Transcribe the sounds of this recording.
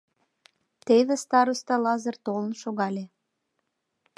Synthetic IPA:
t̪eβest̪ɑɾust̪ɑlɑzərt̪olənʃoɣɑlʲe

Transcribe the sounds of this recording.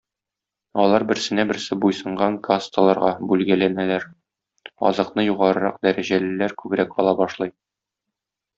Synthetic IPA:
ɒlˠɑɾbɘ̆ɾsɘ̆næbɘ̆ɾsɘbujsɤ̆ɴɢɑŋkast̪əlˠɑɾʁɑbʉlɡælænælæɾ | ɒ̰zɤ̆qnɤjuʁɑɾɤ̆ɾɑ̰q̚d̪æɾæʑælɘ̆læɾkʉbɾækɒ̰lˠɑbɒʃlˠɤj

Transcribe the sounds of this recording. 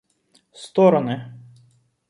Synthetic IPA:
st̪ɔɾɔnɪ

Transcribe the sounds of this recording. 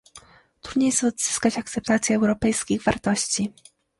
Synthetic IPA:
t̪ɾud̪ɲejsɔd̪z̥ɘ̥skat͡ɕak̚t̪sɛp̚t̪at̪sʲjɛɛwɾɔpɛjskʲiɣvaɾt̪ɔɕt͡ɕi

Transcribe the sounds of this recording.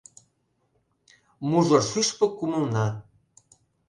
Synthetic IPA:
muʒoʃyʃpɤ̆kumə̆lnɑ

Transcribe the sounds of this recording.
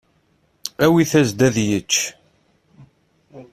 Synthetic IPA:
æwiθæzd̪æðjət͡ʃː

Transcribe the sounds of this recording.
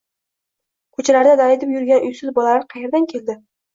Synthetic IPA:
kʰɵt͡ʃʰalaɾd̪ad̪aɾɪd̪ɪpjʊɾɡʲanʊjsʊzbɒlalaɾqʰɑjeɾd̪ankʲʰe̞ld̪ɪ

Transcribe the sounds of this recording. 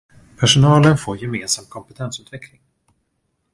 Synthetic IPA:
pʰæʂʊnɑːlənfoːɾjɛmeːnsam̚kʰɔmpɛt̪ʰɛnsʉ̟ːt̪vɛkʰlɪŋ

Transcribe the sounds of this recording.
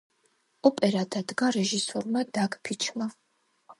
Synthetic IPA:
ɔpʼɛɾad̪ʰad̪ɡaɾɛʒisɔɾmad̪aɡpʰit͡ʃʰma

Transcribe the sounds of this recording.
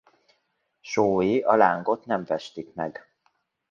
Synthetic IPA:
ʃoːjiʔɒlaːŋɡo̞t̪nɛɱvɛʃt̪ikmɛɡ

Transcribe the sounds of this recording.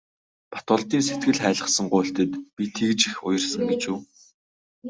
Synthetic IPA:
pḁt̪ʊːɮt̪iːnset̪̚ɡɘ̆ɮχæːɮə̆χsə̆ŋɢʊːɬt̪ɘ̆t̪pʲit̪ʰiːkt͡ɕixʊ̰j̆rsə̆ŋɡet͡ɕuː

